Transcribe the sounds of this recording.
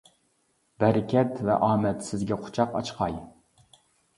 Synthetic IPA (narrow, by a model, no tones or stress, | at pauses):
bɛɾɪkʲʰɛt̪vɛ̰ʔɑːmɛt̪sɪzɡʲɛqʰʊ̥t͡ʃʰɑqɑ̰t͡ʃqʰɑj